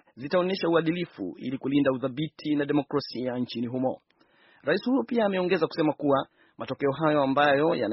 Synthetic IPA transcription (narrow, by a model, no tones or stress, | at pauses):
zitaɔnɛʃauaɗilifṵḭlikulindauðaɓitʰinaɗɛmɔkɾasiant͡ʃiniɦumɔ̰ | ɾaisihujɔpiaːmɛɔŋɡɛzaku̥sɛmakuwa | mʔatɔkɛɔɦajɔambajɔja̰n